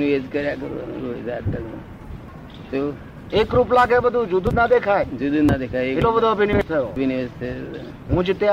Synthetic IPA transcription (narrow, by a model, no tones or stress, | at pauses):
niʋed͡ʒkəɾjakəɾʋa̰nṵ̃ɾoed͡ʒaəɡo̰ | t̪o | ekɾup̬laɡebəd̪ʱũd͡ʒud̪ʱunad̪ekʰajd͡ʒud̪unad̪ekʰajelobəd̪ʱoəbʱinʋet̪ʰəjobʱiniʋed͡ʒt̪ʰe | ɦũd͡ʒɪt̪e